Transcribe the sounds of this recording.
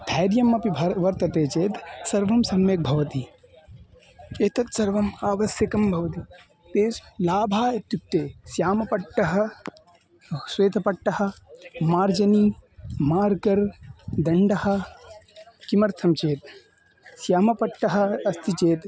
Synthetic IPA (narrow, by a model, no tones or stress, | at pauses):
d̪ʱaːɾjɐmɐpibʱɐɾʋɐɾt̪ɐt̪eːt͡ʃeːt̪sɐɾʋɐmsɐmjek̚bʱɐʋɐt̪i | eːt̪ɐt̪sɐɾʋɐmaːʋɐsjɐkɐmbʱɐʋɐt̪i | t̪eːslaːbʱaːet̪jupt̪eːsjaːmɐpɐʈːɐɦɐ̆ | sweːt̪ʰɐpɐʈːɐɦɐ̆maːɾd͡ʒɐniːmaːɾkɐɾd̪ɐɳɖɐɦɐ̆ | kimɐɾt̪ʰɐmt͡ʃeːt̪ | sjaːmɐpɐʈːɐɦɐ̆ɐst̪ʰit͡ʃeːt̪